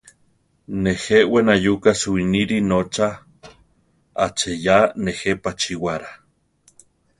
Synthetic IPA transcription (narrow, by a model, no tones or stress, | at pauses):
neheʔwenajukasuiniɾinot͡ʃa | at͡ʃejanehepat͡ʃiwaɾa